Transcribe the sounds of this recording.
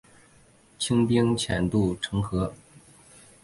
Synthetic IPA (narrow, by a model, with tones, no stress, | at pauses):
t͡ɕʰi˥ŋp̪i˥ŋt͡ɕʰjɛ̰˨˩nt̪u˥˩ʈ͡ʂʰɤ˧˥ŋxɤ˧˥